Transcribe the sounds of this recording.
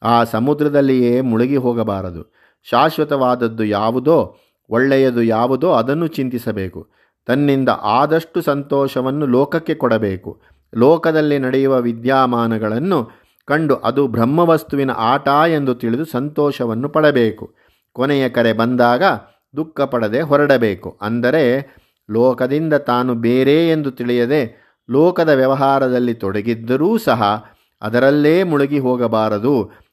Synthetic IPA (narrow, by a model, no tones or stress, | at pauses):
aːsɐmud̪ɾɐd̪ɐlːijeːmuɭuɡiɦɔːɡɐbaːɾɐd̪ṵ | ʃaːʃʋɐt̪ɐʋaːd̪ɐd̪ːujaːʋud̪o̞ː | ɔɭːɛjɐd̪ujaːʋud̪oːɐd̪ɐnːut͡ʃint̪isɐbe̞ːku | t̪ɐnːind̪ɐ̰ʔaːd̪ɐʂʈusɐnt̪ɔːʃɐʋɐnːulɔːkɐkːe̞kɔɽɐbe̞ːkṵ | lɔːkɐd̪ɐlːinɐɽɛjuʋɐʋid̪jaːmaːnɐɡɐɭɐnːu | kɐɳɖuʔɐd̪ubʱɾɐmːɐʋɐst̪uʋinɐ̰ʔaːʈaːe̞nd̪ut̪iɭid̪usɐnt̪ɔːʃɐʋɐnːupɐɽɐbeːku | kɔnɛjɐkɐɾe̞bɐnd̪aːɡɐ | d̪ukːɐpɐɽɐd̪e̞ɦɔɾɐɽɐbe̞ːkṵʔɐ̰nd̪ɐɾe̞ | lɔːkɐd̪ind̪ɐt̪aːnubeːɾeːend̪ut̪iɭijɐd̪e̞ | lɔːkɐd̪ɐʋjɐʋɐɦaːɾɐd̪ɐlːit̪ɔɽɐɡid̪ːɐɾuːsɐɦɐ | ɐ̰d̪ɐɾɐlːeːmuɭuɡiɦɔːɡɐbaːɾɐd̪u